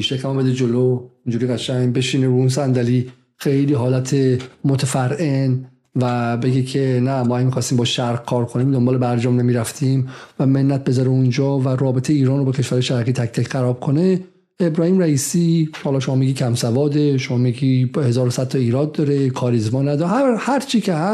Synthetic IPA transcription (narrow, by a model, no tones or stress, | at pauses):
iʃecæmɒbed̪ed͡ʒoloind͡ʒuːɾiːɣæʃæŋbeʃiːneɾuuns̬ænd̪æliː | xejliːɦɒːlæt̪ʰemot̪ʰæfæɾen | væbe̞ɡecʰenæmɔːhæmixɒːst̪iːmbɒːʃæɾɡ̚kʰɒːɾkʰoniːmd̪ombɒːle̞bæɾd͡ʒɒːmnemiːɾæft̪ʰimvæme̞nːæt̪̚be̞zɒːɾeund͡ʒɒːvæɾɒːbet̪ʰejeiːɾɒːnrobecʰeʃvæɾɒjeʃæɾɣiːt̪ʰæct̪ʰæcʰɢæɾɒːb̥̚kʰo̞ne | ebɾɒːhiːmɾæiːsiːhɒːlɒːʃomɒːmiɡiːcʰæmsævɒːd̪eʃomɒːmiɡihe̞zɒːɾosæd̪̚t̪ʰɒiːɾɒːd̪̚ːɒːɾekʰɒːɾizmɒːnæd̪ɒhæɾt͡ʃʰiːcʰehæ